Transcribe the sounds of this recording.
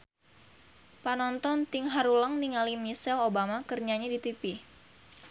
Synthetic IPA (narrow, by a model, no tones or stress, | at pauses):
panɔnt̪ɔnt̪ɪŋɦaɾuləŋniŋalimisɛlobamakərɲaɲadit̪ipi